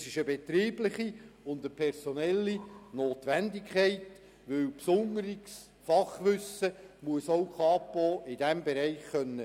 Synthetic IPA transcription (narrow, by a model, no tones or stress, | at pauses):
sɪʃəbɛt̪riːblɪχiʊnd̪əpʰɛɾsonɛlːinoːt̪ʋændɪkχɛɪt | ʋɵwpsʊŋəɾiks | fɑχʋʏsːəmuəsowkʰɑːpoʔɪdæmbɛɾɛɪχkœnːə